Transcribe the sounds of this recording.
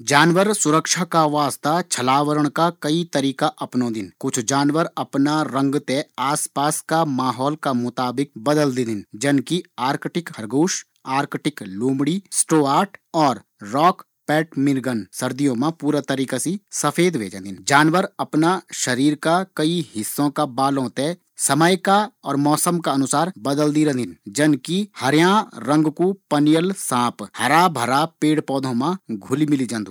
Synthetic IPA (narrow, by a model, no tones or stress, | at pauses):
d͡ʒaːnʋəɾsʊɾəkʃakaʋaːst̪at͡ʃʰɐlaːʋəɾəɽ̃kakɐit̪ɐɾiːkaʔɐpnõːd̪ɪnkʊt͡ʃʰd͡ʒaːnʋəɾɐpnaɾɐ̃ŋɡt̪eaːspaːskamaːɦɔːlkamʊt̪aːbɪk̚bɐd̪əld̪ɪnd̪ɪnd͡ʒɐnkiaːɾkʈɪkhɐɾɡuːʃ | aːɾkʈɪkluːmɽisʈoːaːʈɔːɾ | ɾɔːk | pɛːʈmɪɾɡənsɐɾd̪ijõmãpuːɾat̪əɾiːkasisɐpʰeːd̪ʋʱḛːd͡ʒə̃nd̪ɪnd͡ʒaːnʋəɾɐpnaʃəɾiːɾkakɐihɪsːõkabaːlɦõːt̪e | sɐməjkaɔ̰ːɾmɔːsəmkaɐnʊsaːɾbəd̪əld̪iɾə̃nd̪ɪnd͡ʒɐnkihɐɾjãɾə̃ŋɡkopənijəlsãːphɐɾaːbʱəɾaːpeːɽpɔːd̪ʱõmãɡʱʊlimɪlid͡ʒə̃nd̪u